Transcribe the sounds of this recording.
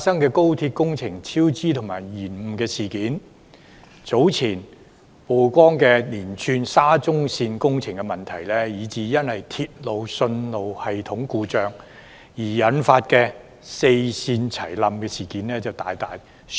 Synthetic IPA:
faː˧tsɐ˥ŋkɛː˧ko˥wt̪ʰi˧t̚kʊ˥ŋt͡sʰɪ˨˩ŋt͡sʰiː˥wt͡siː˥t̪ʰʊ˨˩ŋmaː˨˩jːiː˨˩nm̩˨˩kɛː˧siː˨˩kiː˨˥n | t͡so˨˥wt͡sʰiː˨˩n | po˨˩wkʷɔː˥ŋkɛː˧liː˨˩nt͡ʃʰyː˧nsaː˥t͡sʊ˥ŋsiː˧nkʊ˥ŋt͡sʰɪ˨˩ŋkɛ˧mɐ˨nt̪ʰɐ˨˩jlɛː˥jiː˨˧t͡siː˨˧jɐ˥nhɐ˨jt̪ʰiː˧t̚lo˨˧wsɵ˧nlo˨˧whɐ˨jt̪ʰʊ˨˥ŋkuː˧t͡sœː˨˧ŋ | jiː˨˩jɐ˨˥nfaː˧t̚kɛː˧ | se˧jsiː˧nt͡sʰɐ˨˩jlɐ˨mkɛː˧siː˨˩kiː˨˥nlɛː˥t͡sɐ˨wt̪aː˨jt̪aː˨j

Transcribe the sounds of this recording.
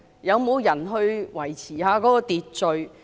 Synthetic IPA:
jɐ˨˧wmo˨˧wjɐ˨˩nɦɵ˧ɥwɐ˨˩jt͡sʰiː˨˩haː˧kɔː˨˥kɔː˧t̪iː˨t̚t͡ʃɵ˨˧ɥ

